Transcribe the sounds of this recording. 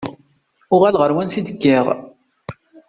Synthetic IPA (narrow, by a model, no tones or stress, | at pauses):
ʊʁælʁəɾwænsid̪əɡːiʁ